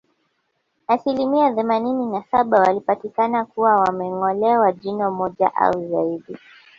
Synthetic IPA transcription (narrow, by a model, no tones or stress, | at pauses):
asilimiaθɛmanininasaɓawalipatikanakuwawamɛŋɔlɛwaʄinɔmɔʄa̰ʔa̰uzaiɗi